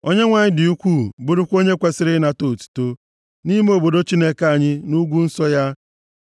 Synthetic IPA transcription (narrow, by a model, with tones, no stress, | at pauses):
o˦ɲe˦ŋʷa˨ɲɪ˦dɪ˨u˦kʷu˦˨bʊ˦ɾʊ˦kʷo˦ɲe˦kʷe˨sɪ˦ɾɪ˦na˨to˨tu̥˨to˦ | ni˦m˦o˨bo˨do˦t͡ʃi˦ne˦ka˦˨ɲɪ˦nu˦ɡʷu˦n̩˦sɔ˦ja˦